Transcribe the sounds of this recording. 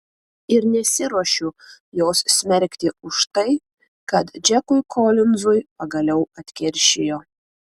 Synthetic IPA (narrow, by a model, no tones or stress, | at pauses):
ɪɾnʲɛsʲɪɾuɔʃʲʊjoːssʲmʲɛɾʲkʲt̪ʲɪʊʃt̪ɐɪ | kɐt̪d͡ʒʲɛkʊjkʰoːlʲɪnzʊjpɐɡɐlʲɛʊɐt̪ʲkʲɛɾʲʃʲejoː